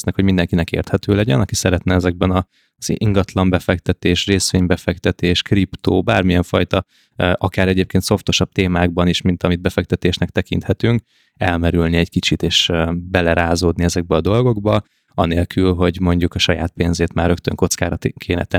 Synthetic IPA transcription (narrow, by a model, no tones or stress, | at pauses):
snɛkho̞ɟmind̪ɛŋkinɛkḛːrt̪hɛt̪øːlɛɟɛnɒkisɛɾɛt̪nɛɛzɛɡ̚bɛnɒ | z̥iŋɡɒt̪lɒmbɛfɛkt̪ɛt̪eːʃreːsʋeːɲbɛfɛkt̪ɛt̪eːʃkript̪oːbaːrmiɛɱfɒjt̪ɒ | ʔɒkaːɾɛɟeːp̚keːnt̪so̞ft̪o̞ʃɒb̚t̪eːmaːɡ̚bɒniːʃmint̪ɒmid̪bɛfɛk̚t̪ɛt̪eːʃnɛkt̪ɛkḭnt̪hɛt̪yŋk | ɛlmɛɾylniɛckit͡ʃit̪eːʃbɛlɛɾaːzoːd̪niɛzɛɡ̚bɛɒd̪o̞lɡo̞ɡbɒ | ɒneːlkylɦo̞ɟmo̞ɲɟukɒʃɒja̰ːt̪̚peːnzeːt̪maːrɾøkt̪ø̰ŋko̞t̪skaːɾɒt̪kʰeːnɛ̰t̪ɛ